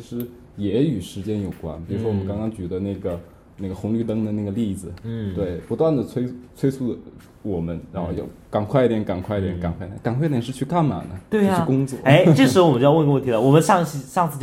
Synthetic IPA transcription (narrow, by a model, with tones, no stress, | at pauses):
t͡ɕʰi˥ʂɻ̩˧˥ | jɛ˧˥y˨˩ʂɻ̩˧˥t͡ɕjɛ˥njo˨˩ʊkwa̰˥npi˨˩ɻu˧˥ʂ̬wɔ˥wɔ˨mə˦ŋkɑ˥ŋkɑ˥ŋt͡ɕy˨˩d̪ə˦na˥˩ɡə˩ | na˥˩ɡə˩xʊ˧˥ŋly˥˧t̪ɤ˥ŋd̪ə˨na˥˩ɡə˩li˥˩d͡zɹ̩˨˩t̪we˥˩ɪpu˧˥t̪wa˥˩nd̪ə˩t͡sʰwe˥ɪt͡sʰwe˥ɪsu˥˩ə | wɔ˨˩mə˦nɻa˧˥nxo˥˧jo̰˥˩ka˨˩nkʰwa˥˧˥t̪jɛ˧˥nka˨˩nkʰwi˥t̪jɛ˧˥nka˨˩nkʰwt̪ɛ˧˦˥ka˨˩nkʰw̪ʂɻ̩˥˧t͡ɕʰy˥˧ka˥˩nma̰˨˩nə˦t̪we˥˩˧kʊ˥ŋt͡swɔ˥˩˥e˥ɪʈ͡ʂʂɻ̩˥o˧wmə˦˥˧wwə˥˩i˧lə˧wɔ˨˩mə˦nʂɑ˥˧ŋɕi˧˥ʂɑ˥˧ŋt͡sʰɹ̩˥˩t͡ɕ